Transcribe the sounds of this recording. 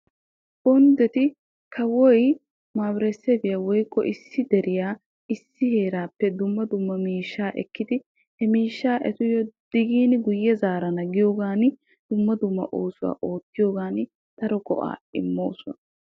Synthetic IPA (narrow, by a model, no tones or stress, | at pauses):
bɔnd̪ɛt̪ɪ | kʰɐwɔj | maːbɾɛsɛbɪjɐwɔjkːɔ̰ʔɪsːɪd̪ɛɾɪjaː | ɪsːɪhe̞ːɾaːpːɛd̪ʊmːɐd̪ʊmːɐmiːʃːaːʔɛ̰kːɪd̪ɪ | hɛmiːʃːaːʔɛt̪ʊjɔd̪̥ɪɡiːnɪɡʊjːɛzaːɾɐnɐɡɪjoːɡaːnɪ | d̪̥ʊmːɐd̪ʊmːɐ̰ʔoːsʊwa̰ːʔo̞ːt̪ːɪjo̞ːɡaːnɪ | t̪ɐɾɔkɔ̰ʔa̰ːɪ̰mːo̞̰ːsɔ̰nɐ